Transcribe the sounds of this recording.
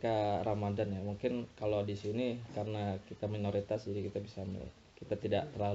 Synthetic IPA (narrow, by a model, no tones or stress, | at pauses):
kaɾamadanjamuŋkɪnkalodisinikarənakit̪aminoɾit̪asd͡ʒadikit̪abisam̰l̰ | kit̪at̪idaʔt̪ərlal